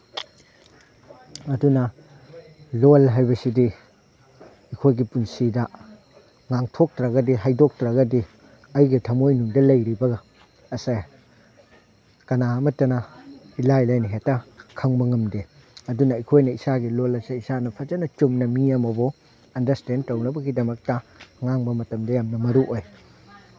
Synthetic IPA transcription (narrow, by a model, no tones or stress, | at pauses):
ɐdunɐ | lolɦajbɐsidi | ɐkʰojɡipunsidɐ | ŋaŋtʰok̚tɾɐɡɐdiɦajdok̚tɾɐɡɐdi | ɐjɡitʰɐmojnuŋdɐlɐjɾibɐɡɐː | saj | kɐnaɐmɐtɐnɐ | ilajlajnɐɦetɐkʰɐŋbɐŋɐmde | ɐdunɐɐjkʰojnɐisaɡilolɐsaisanɐpʰɐd͡ʒɐnɐt͡ʃumnɐmiɐmɐbɔ | ɐndɐɾstendtɐwnɐbɐɡidɐmɐk̚tɐŋaŋbɐmɐtɐmdɐjamnɐmɐɾuʔoj